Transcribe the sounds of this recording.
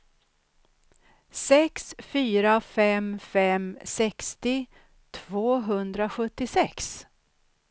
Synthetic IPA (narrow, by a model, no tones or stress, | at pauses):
sɛksfyːɾafɛmfɛmsɛkst̪ɪ | t̪ʰvoːɦɵnd̪ɾaɧɵt̪ːɪsɛks